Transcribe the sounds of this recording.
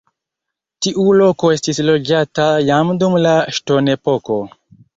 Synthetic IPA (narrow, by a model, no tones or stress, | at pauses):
tiʔulo̞ko̞e̞stislo̞d͡ʒatajamdumlaʃto̞ne̞po̞ko̞